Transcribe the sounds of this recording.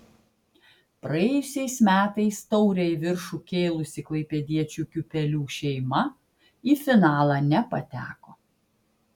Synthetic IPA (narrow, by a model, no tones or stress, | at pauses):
pɾɐjɛːjʊsʲɛɪsmʲæːt̪ɐɪst̪ɔʊɾʲɛʋʲɪɾʃuˑkʲeːlˠʊsʲɪklˠɐɪpʲɛd̪ʲiɛt͡ʃʲukʲʊpʲɛlʲuːʃʲɛɪmɐ | iːfʲɪnɑːlˠɑːnʲɛpɐt̪ʲæːkoː